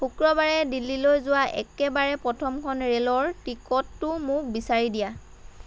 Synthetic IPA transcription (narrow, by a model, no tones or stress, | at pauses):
pʰukɹɔbaɹɛdilːilojzʊwaʔɛ̰kɛbaɹɛpɹɔtʰɔmkʰɔnɹelɔɹtikɔtːʊmʊk̚bisaɹidija